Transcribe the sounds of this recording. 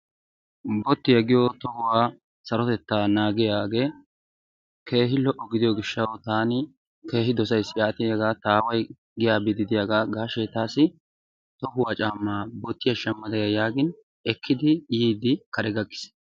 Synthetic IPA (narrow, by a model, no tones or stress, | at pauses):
bɔt̪ːɪjɐɡɪjɔt̪ɔhʊwaː | sɐɾɔt̪ɛt̪ːaːnaːɡɪjaːɡe̞ː | ke̞ːɦɪlɔʔɔɡɪd̪ɪjɔɡɪʃːɐwt̪aːnɪ | ke̞ːɦɪd̪ɔs̬ɐjsɪjaːt̪ɪjaɡaːt̪aːwɐj | ɡɪjaːbɪd̪ɪd̪ɪjaːɡaːɡaːʃɛt̪aːsɪ | t̪ɔhʊwaːt͡ʃʼaːmːaːbɔt̪ːɪjɐʃɐmːɐd̪ɐjɐjaːɡɪn | ɛkʰːɪd̪ɪjiːd̪ɪkɐɾɛɡɐkʼːɪ̥s